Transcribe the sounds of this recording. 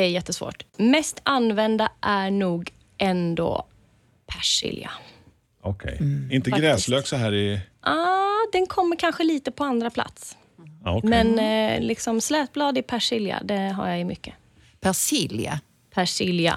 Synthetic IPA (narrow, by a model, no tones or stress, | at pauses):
ɛæjɛt̪ːəsvo̰ːʈmɛst̪ʰanvɛnd̪aʔæɳuːɡ | ʔɛnd̪o̰ː | pʰæʂɪ̰lja̰ | ɔkʰɛ̰jɪnt̪əɡɾɛːsløːksɔɦæːɾɪʔɑːd̪ɛnkʰɔmːəɾkʰanɧəliːt̪əpʰɔand̪ɾapʰla̰t̪s | mɛnlɪksɔmslɛːt̪̚blɑːd̪ɪpʰæʂɪlja̰d̪ɛɦa̰ɾjajɵmʏkːə | pʰæʂɪlja̰ | pʰæʂɪlja̰